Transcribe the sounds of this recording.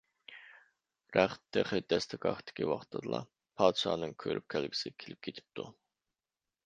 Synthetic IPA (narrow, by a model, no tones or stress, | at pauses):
ræχt̪ʰːæχɪd̪æst̪ʰɪkɑ̰χt̪ʰɪ̥kʲʰiwɑχt̪ʰɑd̪lˠɑ̰ | pʰɑːt̪ʃɑ̰ːnɨŋkʲʰøɾy̰p̚kʲʰælɡi̥sɪkʲʰelɪp̚ɡʲet̪ʰi̥p̚t̪ʰu